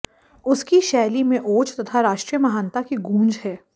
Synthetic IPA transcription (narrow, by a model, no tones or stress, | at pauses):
ʊskiʃɛːlimẽʔoːt͡ʃt̪ɐt̪ʰaɾaːʃʈɾijəmɐɦaːnt̪akiɡũːnd͡ʒɦɛː